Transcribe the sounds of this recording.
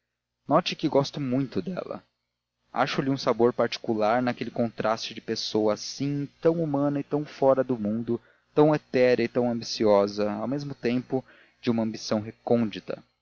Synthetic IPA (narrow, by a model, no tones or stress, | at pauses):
nɔt͡ʃɪkɪɡɔst̪ʊmũj̃t̪ʊd̪ɛ̰lɐ̰ | a̰ʃʊlɪũsaboɾpaɾt͡ʃi̥kulaɾnɐkelɪkõnt̪ɾʔast͡ʃɪd͡ʒɪpesowɐsĩt̪ɐ̃w̃umɐ̃nɐɪt̪ɐ̃w̃fɔɾɐd̪ʊmũnd̪ʊ | t̪ɐ̃w̃et̪ɛɾɐɪt̪ɐ̃w̃ɐ̃mbisiɔzɐawmezmʊt̪ẽmpʊ | d͡ʒɪũmɐ̃mbisɐ̃w̃ɦekõnd͡ʒit̪ɐ̰